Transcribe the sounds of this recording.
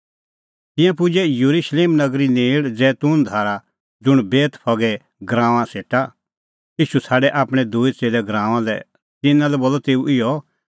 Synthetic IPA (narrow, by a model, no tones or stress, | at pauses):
t̪ɪ̃jãp̬ʊd͡ʒɛjɐɾuʃleːmnɐɡɾineːɽd͡zɛːt̪ʊnd̪ʱaːɾa | d͡zʊɽ̃beːt̪pʰɔɡɛ | ɡɾãːʋ̃ãseːʈa | iːʃusʰaːɖɛʔaːpɽ̃ɛ̃d̪uːit͡seːlɛɡɾãːʋãlɛ | t̪ɪnãlɛboːlːɔt̪eːuʔɪjɔ